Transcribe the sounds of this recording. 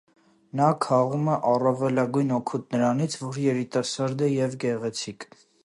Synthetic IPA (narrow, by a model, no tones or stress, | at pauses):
nɑkʰɑʁumɛʔɑrɑvɛlɑɡujnɔkʰut̪nəɾɑnit͡sʰvɔɾjɛɾit̪ɑsɑɾd̪ɛjɛvɡɛʁɛt͡sʰikʰ